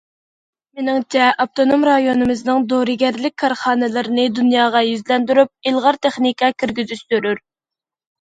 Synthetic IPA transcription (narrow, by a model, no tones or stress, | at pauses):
mɪnɪŋt͡ʃʰɛɑp̚t̪ʰonomɾɑjonɨmɨznɨŋd̪oɾɨɡʲɛɾlɪk̚ʲkʰːɑɾχɑːnɨlˠɨɾɨnɨd̪unjɑːʁɑjyzlɛnd̪yɾyp̚ilˠʁɑɾt̪ʰeχnikʰɑkʲʰiɾɡʲyzyʃt̪øɾyɾ